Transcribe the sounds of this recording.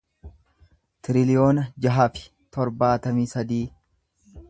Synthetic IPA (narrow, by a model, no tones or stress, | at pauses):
t̪ɪɾɪlɪjo̞ːnɐd͡ʒɐɦafɪ̥ | t̪ɔɾbaːt̪ɐmiːsɐd̪iː